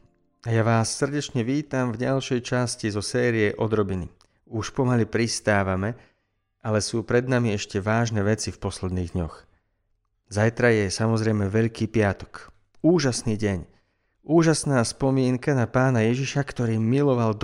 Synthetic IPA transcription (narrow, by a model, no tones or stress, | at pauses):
ajaʋaːsːr̩ɟɛt͡ʃɲɛʋiːt̪amvɟalʃɛjt͡ʃascizɔsɛːɾijɛʔɔd̪ɾɔbinḭ | uʃpɔmalipɾist̪aːʋamɛ | ʔalɛsuːpɾɛd̪̚namiɛʃcɛʋaːʒnɛʋɛt͡sifpɔslɛd̪niːɣd̪ɲɔx | zajt̪ɾajɛsamɔzɾɛjmɛʋɛʎkiːpɪat̪ɔ̥k | uːʒasniːɟɛɲ | uːʒasnaːspɔmɪɛŋkanapaːnajɛʒiʃakt̪ɔɾiːmilɔʋald̪